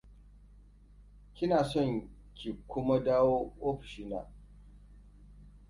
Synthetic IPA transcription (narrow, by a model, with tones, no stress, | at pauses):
kʲɪ˦naː˨sɔ˦˨ŋ | kʲi˨kʷʊ˦ma˦daː˦woː˦ʔoː˦ɸi̥˨ʃiː˦na̰ː˨